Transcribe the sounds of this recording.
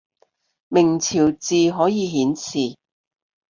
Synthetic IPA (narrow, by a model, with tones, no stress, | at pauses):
mɪ˨˩ŋt͡sʰiː˨˩wt͡siː˨ɦɔː˨˥jiː˨˧ɦiː˨˥nsiː˨